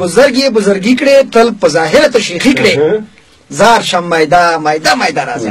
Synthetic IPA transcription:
bʊzaɾɡebʊzʊɾɡikɽet̪əlpəzɑːɦɪɾat̪aʃixikɽe | zɑːɾʃamːajd̪amajd̪amajd̪aɾa̰ːzḭ

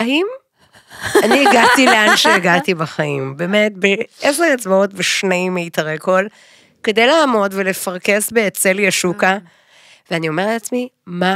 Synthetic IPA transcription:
aim | anieɡat̪ileanʃeeɡatibaχaimbeːmetbeeseet͡sbaotbeʃneimːeitaʁeko̞l | ke̞de̞jlaːmo̞dvele̞faʁke̞sbeːt͡se̞ljaʃuka | veanio̞me̞ʁleat͡smima

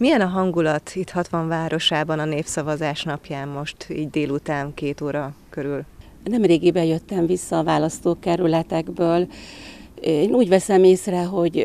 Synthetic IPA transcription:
mijɛnɒɦɒŋɡulɒt̪it̪hɒt̪ʋɒɱvaːɾʔo̞ʃaːbɒnɒneːfsɒvɒzaːʃnɒpjaːmːo̞ʃt̪ḭːɟd̪eːlut̪aːnkeːt̪oːɾɒkøɾyl | nɛmreːɡibɛjøt̪ːɛɱvisːɒːvaːlɒst̪oːkɛɾylɛt̪ɛɡbøːl | eːnuːɟvɛsɛmeːsrɛɦo̞ɟ

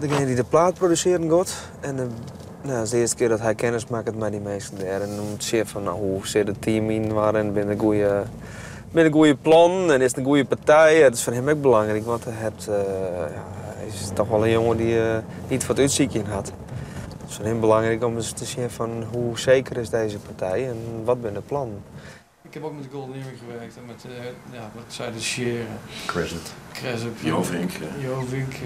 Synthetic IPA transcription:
dəɡɪnədidəplaːt̚prodysɪəɾən̩ɡot | ɛn | noɔsdəɪəstə̥kɪədɔtɦɛjkʰɪnəsmaːkətmɛjdimeːsəndɛːɾɛnomtə̥sjɪfɔnɔhusɪdətʰiːminʋaɾɛnbɪnəɡuəjə | bɪnəɡuəjəplɔnɛnɪsənɡuəjəpartɛjɛdɪ̥sfɔnɦɪmɛk̚bəlaŋrikʋɔntɛɦɛp̚tjastɔxʋɔlənjoŋəndi | nitfɔtytsikjənɦat | tɪ̥sfɔnhɪmbəlaŋrikɔmstəsjɛfɔnɦuseːkərɪsdeːzəpartʰɛjɛnʋɔt̚bɪnəplɔn | ɪkhɛpok̚mɛtəɡolˠniməχəʋɛrk̚tmɛtjaʋɔtsɛjdəʃjɪːɾəkʰwɛsətkrɛsopjofiŋkjoːfiŋk

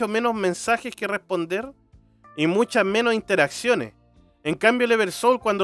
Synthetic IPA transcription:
ome̞nozmẽ̞nsaxeskerespo̞nd̪eɾ | imut͡ʃazme̞nosint̪eɾaksjo̞nḛs | eŋkambjoleβeɾsowlkwand̪o

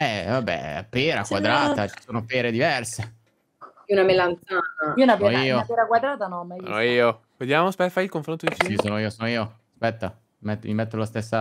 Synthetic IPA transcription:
ɛvabːɛ̰apeːɾakwad̪ɾaːt̪at͡ʃi̥soːnopeːɾed̪ivɛrse | iunamelːant̪sant̪aiounapeiːoapeɾakwad̪ɾaːt̪anɔma̰noiːo | ved̪jaːmospɛfajilkoɱfɾont̪od̪it͡ʃiisoːnoiːosoːnoiːoaspɛt̪ːa | mɛt̪ːmimɛt̪ːolast̪esːa

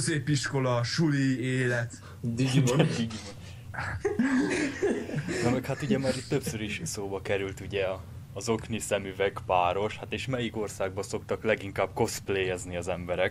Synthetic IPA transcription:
zeːpiʃko̞lɒʃulieːlɛt̪ | d̪i | nomɛkhat̪uɟɛmaːɾit̪ːø̞psøɾiʃsoːbɒkɛɾylt̪uɟɛɒː | zo̞knisɛmyvɛkpaːɾo̞ʃhat̪eːʃmɛjiko̞rsaːɡ̚bɒso̞kt̪ɒklɛɡiŋkaːbko̞spleːɛzniɒzɛmbɛɾɛk

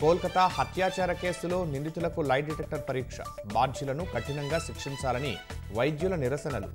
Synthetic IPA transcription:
koːlkɐt̪ahɐt̪ʰjaːt͡ʃaːɾɐke̞ːsulo̞ːnind̪it̪ulɐkulɐjʈ̚ɖiʈek̚ʈɐɾpɐɾiːkʂɐ̰baːɾd͡ʒʱjulɐnukɐʈinɐŋɡaːʃikʂiɲt͡ʃaːlɐnḭʋɐjd̪julɐniɾɐsɐnɐlṵ

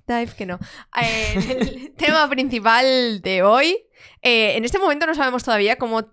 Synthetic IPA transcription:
d̪ajfkenoeelt̪emapɾin̟θipald̪e̞o̞j | eenest̪e̞momẽnt̪o̞no̞saβemo̞st̪o̞ðaβiako̞mo

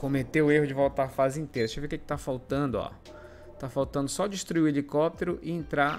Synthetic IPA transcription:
kõmet̪eʊeɦʊd͡ʒɪvowt̪aɾfazɪĩnt̪ejɾɐseveukekɪ̥t̪afawt̪ɐ̃nd̪ʊɔ̰ | t̪afawt̪ɐ̃nd̪ʊsɔd͡ʒɪʃt̪ɾuiʊelikɔp̚t̪eɾʊʔɪẽnt̪ɾa

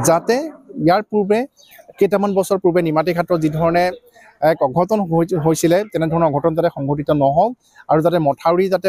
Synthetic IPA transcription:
zatɛijaɹpuɹbɛ | kejtamanbɔsɔɹpubɛnimatikʰatɹɔzidʱɔɹɔnɛ | ɛkɔɡʱɔtɔnɦojsilɛtɛnɛdʱɔɹɔnɔɔɡʱɔtɔnɔzatɛxɔŋɡʱot̬itɔnɔɦɔk | aɹuzatɛmɔtʰaɹizatɛ

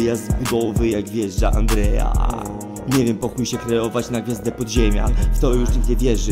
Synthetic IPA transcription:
jazbud̪ɔvɘjaɡvʲjɛʐd͡zaʔa̰nd̪ɾɛja̰ | ɲɛvʲjɛmpɔxujɕɛkɾɛɔvat͡ɕnaɡvʲjazd̪ɛpɔd̪ʑemʲja̰ft̪ɔjuʂɲiɡd͡ʑɛvʲjɛʐɘ

